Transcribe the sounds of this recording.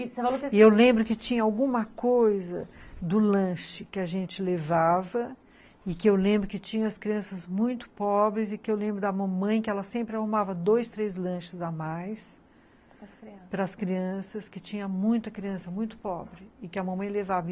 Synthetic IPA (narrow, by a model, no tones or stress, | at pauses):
evaloewlẽmbɾʊkɪt͡ʃĩɲɐawɡũmɐkojzɐ̰d̪ʊlɐ̃ʃɪkɪɐʒẽnt͡ʃɪlevavɐ | ɪkɪewlẽmbɾʊkɪt͡ʃĩɲɐ̃ɐskɾiɐ̃sɐzmũj̃t̪ʊ̥pɔbɾɪzɪkɪewlẽmbɾʊd̪ɐmɐ̃mɐ̃j̃kɪɛlɐsẽmpɾɪahumavɐd̪ojst̪ɾezlɐ̃ʃɪzamajs | pɾɐːskɾiɐ̃sɐskɪt͡ʃĩɲɐmũj̃t̪ɐkɾiɐ̃sɐmũj̃t̪ʊ̥pɔbɾɪɪkɪɐmɐ̃mɐ̃j̃levavɐ